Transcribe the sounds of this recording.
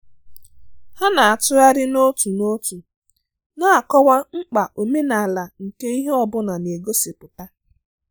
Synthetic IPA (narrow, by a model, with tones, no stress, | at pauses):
ha˦na˨a˨tʊ˦a˦ɾɪ˦no˦tu˨no˦tu˨ | na˦a˨kɔ˦wa˦ŋ͡m̩˦k͡pa˨ʔo˨me˦na˨la˨ŋ̩˨ke˦i˦ɦe˦ɔ˨bʊ˦na˨ne˨ɡo˦se˨pʊ˨ta˦